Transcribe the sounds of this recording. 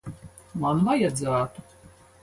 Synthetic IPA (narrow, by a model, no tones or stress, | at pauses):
manvajad̪zaːt̪u